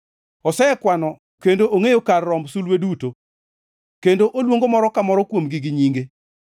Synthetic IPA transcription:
ɔsɛɛkwanɔ | kendoʔoŋejokarːɔmbsulweduto | kendoʔolwoŋɡomɔɾɔkamɔɾɔkwomɡiɡɪɲiŋɡe

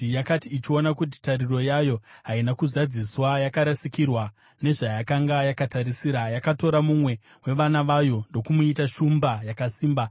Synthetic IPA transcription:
jakatiːt͡ʃio̞nakut̬i̥tariro̞jajo̞ɦainakuzad͡ziswajakaɾasikirwa | ne̞ʐajakaŋɡajakataɾisiɾajakato̞ɾamumwe̞ | we̞ʋanaʋajo̞ndo̞kumuitaʃumbajakasiːmba

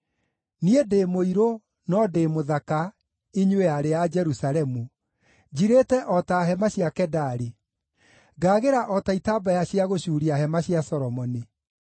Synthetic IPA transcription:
niedeːmoiɾo | nɔdemoðaka | iɲweaɾead͡ʒɛɾusaɾɛmu | d͡ʑiɾeːtɛʔɔtaɦɛmaɕjakɛdaɾi | ɡaːɣeɾaʔɔtaitaːbajaɕiaɣoɕuːɾiaɦɛmaɕijasɔɾɔmɔni

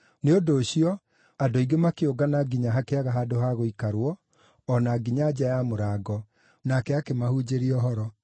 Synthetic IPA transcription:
neodoːɕiɔ | adoiɡemakeoɡanaɡiɲaɦakeaɣaɦaːdoɦaɣoikaɾwɔː | naɡiɲaːd͡ʑajamoɾaːɡɔ | nakɛakemahuːd͡ʑeɾiɔɦɔɾɔ

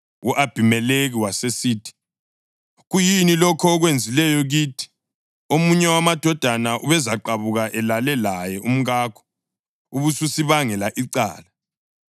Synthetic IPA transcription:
uʔab̥ʱimɛleɣiwasesiːtʰi̥ | ɣujinilɔkʰɔːɣwend͡zʱilɛjɔɣitʰi̥ | omuɲɛwamad̥ʱɔd̥ʱanaʔuβɛzaǃaβuɣaʔɛlalɛlajɛum̩ɣaːkʰɔ̥ | uβususiβaŋɛlaʔiǀa̰ːla

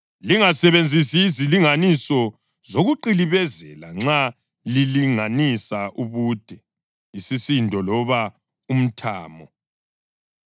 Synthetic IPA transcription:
liŋasɛβend͡zʱisiːziliŋanisɔ | zoɣuǃiliβɛzɛlaŋ͡ǁa | liliŋanisaʔuβud̥ʱɛ | isisindʱɔlɔβa | um̩tʰaːmɔ

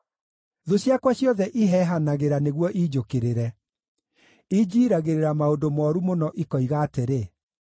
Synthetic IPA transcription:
ðoɕjakwaɕjɔðɛʔiɦɛɦanaɣeɾaneɣwɔʔiːd͡ʒokeɾeɾɛ | id͡ʑiːɾaɣeɾeɾamaodomɔːɾumonɔʔikɔiɣaːteɾe

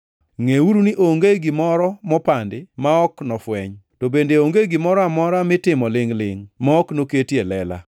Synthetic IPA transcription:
ŋeuɾuniʔoŋɡeɡɪmɔɾɔmɔpandɪmaɔknɔfwɛɲtobendeoŋɡeɡɪmɔɾɔamɔɾamɪtɪmɔlɪŋlɪ̰ŋmaɔknoketjelɛla̰

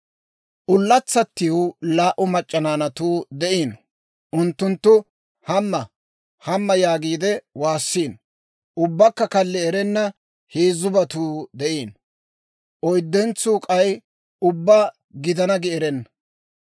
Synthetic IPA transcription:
ʔʊlːɐt͡sːɐt̪ːɪʊlaːʔʊmɐt͡ʃʼːɐnaːnɐt̪uːd̪ɛʔiːn | ʔʊnt̪ːʊnt̪ːʊ | hɐmːɐ | hɐmːɐjaːɡiːd̪ɛwaːsːiːn | ʊbːɐkːɐkɐlːɛɛɾɛnːɐ | heːzʊbɐt̪uːd̪ɛʔiːn | ʔɔjd̪ːɛnt͡suːkʼɐj | ʊbːaː | ɡɪd̪ɐnɐɡɪɛɾɛnːɐ

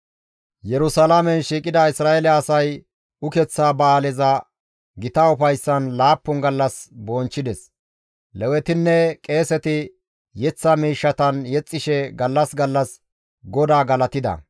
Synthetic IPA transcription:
jɛɾʊsɐlamɛnʃiːkʼɪd̪ɐɪsɾaːɛlɛɐsɐj | ʊkɛt͡sːaːbɐaːlɛzɐ | ɡɪt̪ɐʊfɐjsːɐnlaːpːʊnɡɐlːɐsbɔnt͡ʃːɪd̪ɛs | lɛwɛt̪ɪnːɛkʼe̞ːsɛt̪ɪ | jɛt͡sːɐmiːʃːɐt̪ɐnjɛt͡sʼːɪʃɛɡɐlːɐsɡɐlːɐs | ɡɔd̪aːɡɐlɐt̪ɪd̪ɐ̰

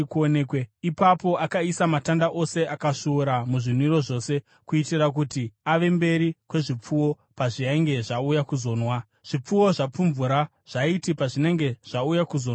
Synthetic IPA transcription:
kuonekweipapo̞akaisamatandaʔo̞se̞akaʃuːɾamuʐin̤uiɾo̞ʐo̞se̞ | kuitirak̬utiaʋe̞mbe̞ɾikwe̞ʐip͡fuwo̞ | paʐiaŋɡe̞ʐaujakuzo̞ːnwa | ʐ̥ip͡fuwo̞ʐap͡fuɱvuɾa | ʐ̥aitipaʐine̞ŋɡe̞ʐ̥aujakuzo̞n

